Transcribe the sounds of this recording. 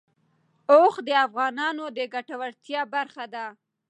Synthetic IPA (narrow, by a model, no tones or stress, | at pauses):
oxd̪əafɣɑnɑnod̪əɡaʈawaɽt̪jɑbaɾxad̪a